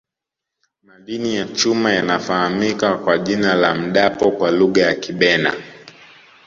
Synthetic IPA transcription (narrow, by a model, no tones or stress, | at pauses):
malinijat͡ʃumajanafahamikakwaʄinalam̩ɗapɔkwaluɠajakiɓɛna̰